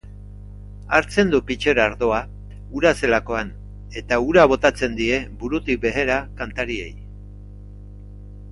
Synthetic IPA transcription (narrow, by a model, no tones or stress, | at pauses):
aɾt͡se̞nd̪upit͡ʃe̞ɾaɾðo̞a | uɾase̞lako̞an | e̞t̪auɾaβ̞o̞t̪at͡se̞nd̪ie̞buɾut̪ik̚be̞ɣeɾakant̪aɾie̞̰j